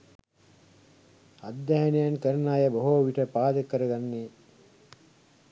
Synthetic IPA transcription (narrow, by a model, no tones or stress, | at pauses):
ad̪jaɦɐnejankəɾɐnaːjɐbɐoɦoʋiʈəpaːd̪əkəɾɐɡanːe